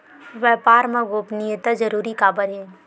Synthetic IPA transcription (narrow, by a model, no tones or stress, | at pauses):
ʋjɛːpaːɾmɐ̃ɡoːpnijət̪ad͡ʒɐɾuːɾikaːbəɾɦɛː